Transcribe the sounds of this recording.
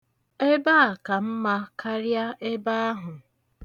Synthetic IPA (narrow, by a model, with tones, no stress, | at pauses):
e˦ba˦a˨ka˨m̩˦ma˦kʰa˦ɾja˦e˦ba˦a˦ɦʊ˨